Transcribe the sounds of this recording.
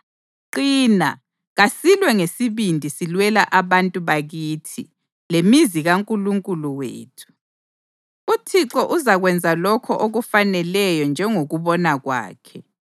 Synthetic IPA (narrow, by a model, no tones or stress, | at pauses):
ǃiːna̰ | ɣasilwɛŋesiβindʱisilwɛlaʔaβantʼuβaɣitʰi | lemiziɣaŋkʼuluŋkʼuluwḛːtʰu̥ | utʰiǁɔʔuzaɣwɛnd͡zʱalɔkʰɔʔoɣufanɛlɛjɔnd͡ʒʱɛŋoɣuβɔnaɣwa̰ːkʰɛ